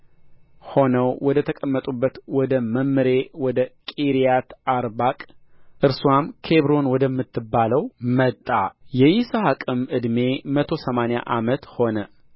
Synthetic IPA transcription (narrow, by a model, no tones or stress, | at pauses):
ho̞nəwwɔd̪ət̪ʰəkʼəmːət̪ʼubːət̪wɔd̪əməmːɨɾe̞wɔd̪əkʼiɾijat̪aɾbakʼʔɨɾsuwamkʰe̞βɾo̞nwɔd̪əmːɨt̪ʰːɨbːaləwmət̪ʼːajɛjisahakʼɨmɨd̪me̞mət̪ʰo̞səmanja̰ʔamət̪ho̞nə